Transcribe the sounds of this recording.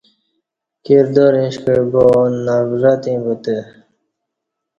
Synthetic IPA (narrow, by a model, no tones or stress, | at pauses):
kiɾd̪oɾĩɕkəbonavɾat̪ĩbut̪e